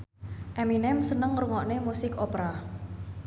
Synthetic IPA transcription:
ʔɛminɛmsənəŋɾuŋɔʔnemusɪkopɾa

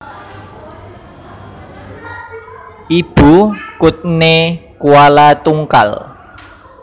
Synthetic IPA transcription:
ʔib̥ṳkʊt̪̚nekuwalat̪uŋka̰l

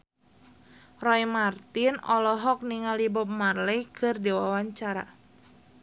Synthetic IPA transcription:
rɔimart̪inɔlɔɦɔk̚niŋalibɔp̚marlɛjkʰɨrdiwawaɲt͡ʃaɾa̰

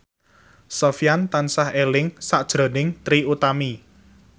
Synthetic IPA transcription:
sɔfjant̪ansahelɪŋsaʔd̥ʒ̥ɾo̤nɪŋt̪ɾiut̪ami

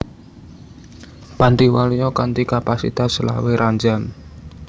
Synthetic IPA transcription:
pant̪iwalijɔkant̪ikapasḭt̪asla̰weɾʔaɲd͡ʒan

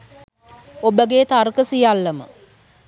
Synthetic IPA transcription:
obəɡet̪arkəsijalːəmə̰

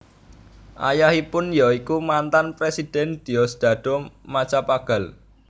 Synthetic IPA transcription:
ʔa̰jahipʊnjaikumant̪anpɾesid̪̥ɛnd̪̥iɔsd̪̥a̤d̪̥ɔ̤mat͡ʃapaɡ̥a̤l

